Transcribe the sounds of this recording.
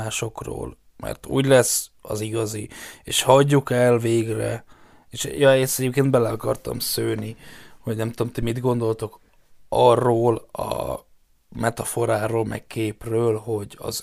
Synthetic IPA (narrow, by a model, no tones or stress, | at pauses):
aːʃo̞kro̰ːl | mɛ̰rt̪ṵːɟlɛsɒ̰ziɡɒzieːʃhɒɟːukɛlveːɡrɛ̰ | eʃjɒst̪ɛɟeːp̚keːnd̪bɛlɛɒkɒ̰rt̪ɒ̰msøːniho̞ɟnɛmt̪uomt̪imid̪ɡo̞nd̪o̞lt̪o̞k | ɒrːoːlɒ̰ | mɛt̪ɒfo̞ɾaːɾoːlmɛ̰kkeːprøːlɦo̞ɟɒ̰z